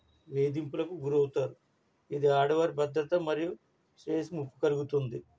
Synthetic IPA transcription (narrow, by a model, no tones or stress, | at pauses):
ʋe̞ːd̪impulɐkuɡuɾɐwut̪aːɾu | id̪iaːɖɐʋɐɾbɐd̪ɾɐt̪ɐmɐɾiju | sɾeːsmukːu̥kɐluɡut̪und̪i